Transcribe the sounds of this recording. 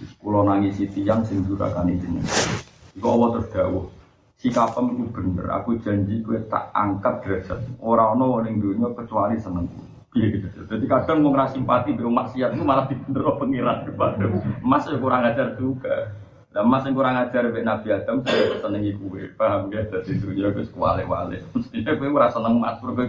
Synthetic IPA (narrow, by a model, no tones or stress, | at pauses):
kulɔnaŋisit̪ijaŋsɪŋd͡ʒuɾa̰kanisinə̰ | ikuɔwɔt̪ərd̥a̤wɔh | sikapəmikub̥ə̤nə̰ra̰kud̥ʒ̥a̤ɲd͡ʒikuet̪a̰ʔa̰ŋkat̪̚d̥ɾasət̪̚oɾaɔnɔwɔnɪŋd̪uɲɔkət͡ʃualisənəŋku | jɛkəd͡ʒad͡ʒəd̥̪at̪ikad̥a̤ŋmɔŋrasimpat̪ibiɾɔmaʔsiat̪̚kumalahd̪̥i̤b̥ənd̪əɾɔpəŋiɾankupad̪ʊmasjokuɾaŋḁd͡ʒard͡ʒuɡa | lamasɪŋkuɾaŋḁd͡ʒ̥aɾweʔnab̥iad̪̥a̤msaakəsənəŋikuwḛpaɦmbiahd̪̥a̤d̪̥ind̪uɲɔkuesə̥kuwa̰lɪ̰ʔwa̰lɪ̰məst̪iɲɔkueuɾasənəŋma̰skuɾku